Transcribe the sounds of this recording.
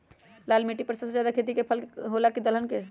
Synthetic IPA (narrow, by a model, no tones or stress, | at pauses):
lalmiʈipəɾsəd͡ʒad̪akʰet̪̬ikepʰəlɦolakid̪əlɦənke